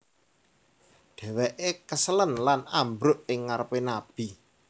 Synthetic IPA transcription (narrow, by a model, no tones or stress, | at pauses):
ɖ̪̥ɛ̤wɛʔekəsələnlanambɾʊʔɪŋːaɾəpenab̥i